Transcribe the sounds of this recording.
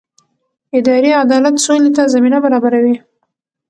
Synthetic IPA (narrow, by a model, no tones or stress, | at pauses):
ɪd̪ɑɾiad̪ɑlat̪solet̪azaminabaɾɑbaɾawi